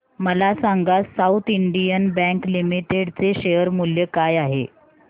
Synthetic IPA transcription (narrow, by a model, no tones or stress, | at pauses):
məlasaŋɡasaut̪iɳɖijənbɛ̃ŋklimiʈeɽt͡seɕejəɾmuljəkajaɦḛ